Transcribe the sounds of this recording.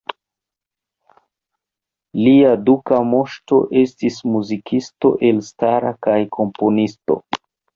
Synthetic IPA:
liadukamo̞ʃto̞̰ʔe̞stismuzikʰisto̞̰ʔe̞lstaɾakajkʰo̞mpo̞nisto̞̰

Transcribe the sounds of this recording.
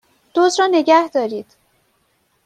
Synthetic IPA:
d̪̥oːzɾɒːne̞ɟæhd̪ɒːɾiːd̪̥

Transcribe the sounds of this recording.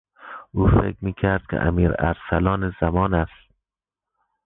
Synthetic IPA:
uːfḛkɾmiːkʰæɾd̪̥̚kʰḛʔæ̰miːɾæ̰ɾsælɒːnezæmɒːnæst̪

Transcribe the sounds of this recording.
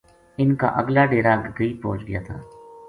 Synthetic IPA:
ɪnka̰ʔɐ̰ɡlaɖeːɾaɡɡəipo̰ːt͡ʃɡɪjaːt̪ʰa̰ː

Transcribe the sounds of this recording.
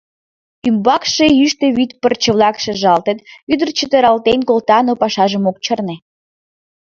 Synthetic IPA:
ymbɑkʃeyʃt̪ĕβyt̪pərt͡ɕə̆βlɑkʃĕʒɑlt̪ət̪yd̪ərt͡ɕət̪əɾɑlt̪enkolt̪ɑnopɑʃɑʒəmok̚t͡ɕərne

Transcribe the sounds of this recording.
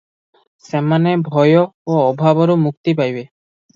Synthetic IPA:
sɛmanebʱɔjooɔbʱabɔɾomuk̚t̪ipajbe

